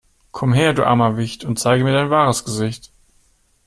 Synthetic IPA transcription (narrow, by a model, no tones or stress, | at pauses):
kʰɔmɦeːɐdṵːʔa̰ːmɐvɪçtʰʊntt͡saɪɡəmiːɐɾaɪnvaːʁəsɡ̥əzɪçt